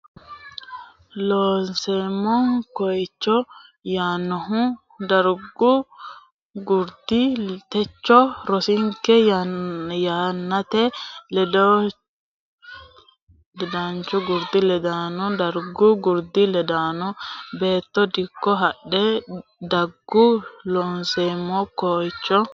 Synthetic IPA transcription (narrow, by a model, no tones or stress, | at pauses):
loːnsɛmːɔkɔjt͡ʃːɔjaːnːɔɦʊ | d̪ɐɾɡʊ | ɡʊɾd̪ɪt̪ɛt͡ʃːɔɾɔsɪŋkːɛ | jaːnːɐt̪ɛɛɔ | lɛd̪ant͡ʃɔɡʊɾd̪ɪlɛd̪aːnɔd̪ɐɾɡʊɡʊɾd̪ɪlɛd̪aːnɔbeːt̪ːɔd̪ɪkːɔɦɐɗːɛd̪ɐɡːʊlɔnseːmːɔkɔjt͡ʃːɔ